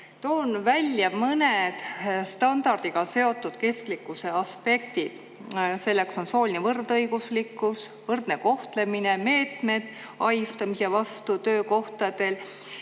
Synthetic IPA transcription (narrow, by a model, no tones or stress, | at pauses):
t̪o̞ːnvælʲjɑmɤne̞d̪̥st̪ɑnd̪̥ɑrd̪̥iɡ̥ɑse̞o̞t̪ːˑud̪̥ke̞sklikːˑuse̞ɑspe̞k̚t̪id̪̥ | se̞lːe̞kso̞nso̞ːlinevɤrd̪ɤjɡ̥uslikˑːusvɤrd̪̥ne̞ko̞ht̪le̞mine̞me̞ːt̪me̞d̪̥ | ɑjst̪ɑmisevɑst̪ut̪ø̞ːko̞ht̪ɑd̪e̞l